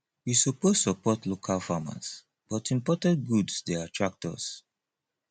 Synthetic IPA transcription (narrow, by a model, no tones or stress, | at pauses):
wisopossɔpɔtlokʰalfama̰s | b̥ɔtĩmpɔtãnt̚ɡudsdɛatʰɹak̚tʰɔ̰s